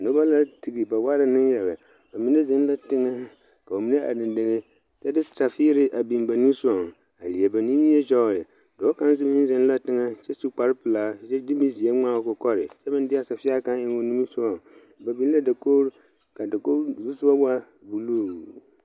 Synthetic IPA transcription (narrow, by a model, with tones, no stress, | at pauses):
no˦ba˦la˦ti˨ɡi˨ba˨wa˦ɾa˨nɪ˦jɛ˨la˨ | ba˨mi˨˦ne˦zɪ˦n˦la˦tɪ˦ŋɛ˦ | ka˨o˨mi˨˦ne˦ʔa̰˨dɪ˨nde˦ŋe˦ | t͡ʃɛ˦dɪ˦sa˨fiː˦ɾɪ˦ʔa˨bi˨mba˨nu˦su˦ɔ˨ŋ˨ | a˨li˨e˨ba˨ni˦ji˦e˦d͡ʒɔ˦˨jɛ˨ | do˨˦ka˦n˦zɪ˦mɪ˦n˦zɪ˦n˦la˦tɪ˦ŋɛ˦t͡ʃɛ˦su˦k͡pa˨˦ɾɪ˦pɨ˨laː˦t͡ʃɛ˦dɪ˦mi˦zi˨e˦ŋ͡maː˦˨kɔ˨kɔ˦ɾɪ̰˨t͡ʃɛ˦bɪ˦ndɪ˦a˦˨sa˨fɪ˦a˦ka˦ɪ˦wo˦nu˦mi˦sʊ˦ɔ˨ŋ | ba˨bi˦n˦la˦da˨koː˦ɾ | ka˨da˨ko˦zu˦sʊ˦ba˦ba˦ | bu˨luː˦˨